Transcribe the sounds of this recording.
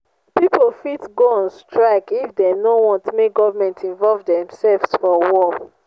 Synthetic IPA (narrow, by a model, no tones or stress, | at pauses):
pipolfitɡoɔ̃nstɹaɪkifdɛnowɔ̃ntmeɡɔvamɛ̃ntĩɱvɔlvdɛ̃msɛlvsfɔwɔ